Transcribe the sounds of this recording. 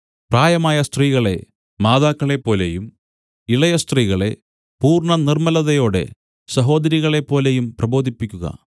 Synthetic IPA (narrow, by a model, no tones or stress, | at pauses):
praːjɐmaːjɐst̪riːɣɐɭe̞̰ | maːðaːkːɐɭe̞pːo̞ːlḛjum | iɭɐjɐst̪riːɣɐɭe̞̰ | puːrɳɐnirmɐlɐðɐjo̞ːɽḛ | sɐɦo̞ːd̪ɐɾiɣɐɭe̞pːo̞ːlejumprɐbo̞ːd̪ʱipːikʲːuɣɐ̰